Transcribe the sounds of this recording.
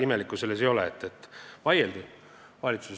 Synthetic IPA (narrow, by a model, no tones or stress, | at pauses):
imelikːˑuse̞lːes̬ejo̞leet̪ːet̪ˑːvɑjeld̪i | vɑlʲit̪sus